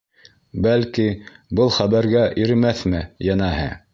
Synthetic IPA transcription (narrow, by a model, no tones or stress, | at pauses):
bælkibɤlˠχæβæɾɡæʔiɾɘmæθmɘjɑnæɦɘ̰